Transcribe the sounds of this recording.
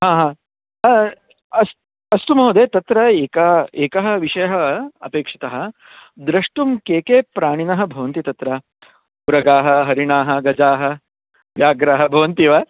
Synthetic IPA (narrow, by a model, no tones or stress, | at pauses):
ɦaːɦãː | ɐs | ɐst̪umɐɦod̪eːt̪ɐt̪ɾɐeːkɐeːkɐɦɐ̆ʋiʂɐjɐɦɐɐ̰peːkʂi̥t̪ɐɦɐ̆ | d̪ɾɐʂʈumkeːkeːpɾaːɳinɐɦɐ̆bʱɐʋɐnt̪it̪ɐt̪ɾɐ | uɾɐɡaːɦɐɦɐɾiɳaːɦɐɡɐd͡ʒaːɦɐ̆ | ʋjaːɡɾaːɦɐbʱɐʋɐnt̪iʋɐ